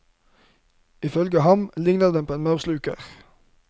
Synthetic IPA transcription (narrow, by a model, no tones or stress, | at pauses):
ɪfœlɡəhɑmlɪŋnəʁd̪ɛmpoːeːnmɑʉʁslʉːkə̰ʁ